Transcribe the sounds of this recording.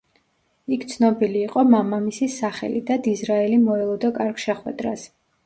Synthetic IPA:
ikʰt̪sʰnɔbiliːqʼɔmamamisisaχɛ̰lid̪ad̪izɾaɛlimɔɛlˠɔd̪ɔkʼaɾɡʃɛχwɛ̰d̪ɾas

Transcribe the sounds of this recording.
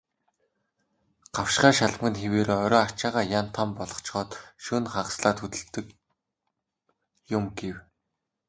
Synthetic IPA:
ɢ̥awʃɢaːʃaɮmə̆nxeweːɾoːɔɾʲɔːat͡ɕaːʁaːjan̥t̪ʰampɔɮɞ̆χt͡ɕχɔːt̪ʃɵːnχaʁsɮaːt̪xɵt̪ɵ̆ɬt̪ɘ̆k | jʊmɡew

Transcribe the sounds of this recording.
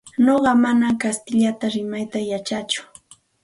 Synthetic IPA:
noɢɑmanakast̪ɪʎat̪aɾɪmajt̪ajat͡ʃat͡ʃʊ̥

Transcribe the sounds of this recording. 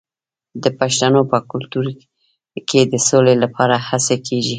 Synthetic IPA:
d̪əpaʃt̪anopəkʊlt̪uɾ | kʰed̪əsolelapʰɑɾahasekʰeʒi

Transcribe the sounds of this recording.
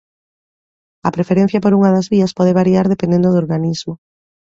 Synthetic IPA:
ɐpɾefeɾẽn̟θjɐpoɾuŋɐðɐzβiɐspɔðeβ̞aɾiaɾðepend̪end̪oðoɾɣanizmo

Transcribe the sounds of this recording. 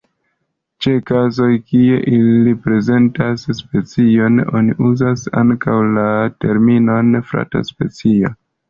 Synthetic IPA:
t͡ʃe̞kazo̞jkie̞ʔilipɾe̞ze̞ntasspe̞t͡sio̞no̞̰nḭʔuzasa̰ŋkawlate̞ɾmino̞nfɾa̰ta̰spe̞t͡sio

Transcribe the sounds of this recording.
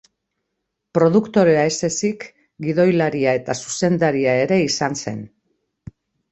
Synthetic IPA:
pɾo̞ðukt̪o̞ɾe̞ae̞se̞sik | ɡiðo̞jlaɾiae̞t̪asu̥se̞nd̪aɾiae̞ɾe̞isanse̞n

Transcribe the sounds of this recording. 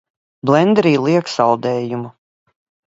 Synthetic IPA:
blɛnd̪ɾiːlˠiɛksɑwd̪ɛːjumu

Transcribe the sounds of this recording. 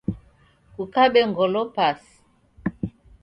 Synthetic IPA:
kukaɓɛŋɡɔlɔpasi̥

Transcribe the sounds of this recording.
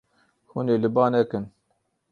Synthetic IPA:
huneːlɨbɑːnɛkɨn

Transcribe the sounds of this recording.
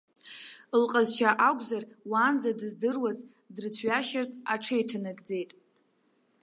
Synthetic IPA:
lqʼazʃʰaʔaɡʷʼzarwaːnd͡zadɨzdɨrwaz | drɨt͡sʷʰɥaʃartʼaʈ͡ʂʰejtʰɨnɨɡʼd͡ze̞jtʼ

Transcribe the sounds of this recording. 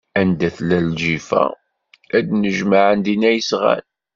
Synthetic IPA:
ænd̪æθlælʒifæ̰ | æd̪nəʒmaʕənd̪inæjəsʁæ̰l

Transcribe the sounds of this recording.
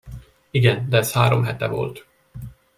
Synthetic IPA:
iɡɛnd̪ɛɛshaːɾomɦɛt̪ɛvo̞̰lt̪

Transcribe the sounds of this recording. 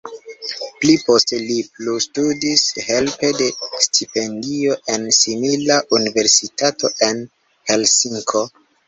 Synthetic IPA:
plipo̞steliplustudishe̞lpe̞de̞stʰipe̞ndio̞ʔe̞nsimilaʔunive̞ɾsitato̞ʔe̞n | he̞lsiŋkʰo̞

